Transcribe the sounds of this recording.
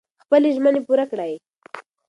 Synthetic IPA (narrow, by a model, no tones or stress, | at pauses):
xpəleʒmənepuɾakɽaj